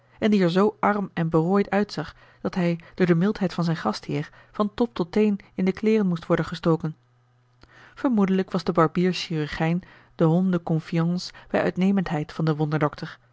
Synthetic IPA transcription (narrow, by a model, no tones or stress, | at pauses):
ʔɛndiɛɹzowʔɑrmɛnbəroːjtœɥtsɑχ | d̥ɑtɦɛjd̥ʊːɹdəmɪlˠtɦɛjtfɑnzɛjnχɑsthɪːɹ | vɑntɔp̚tɔtejnɪndəklɪːrənmustʋɔɹdənχəstowkən | v̥əɹmudələkʋɑzdəbɑɹbiːɹʃiryɹχɛjn | d̥əɦɔndəkɔnfiɑnsb̥ɛjʔœ̰ɥtnejməntɦɛjtfɑndəʋɔndəɹdɔktʰəɹ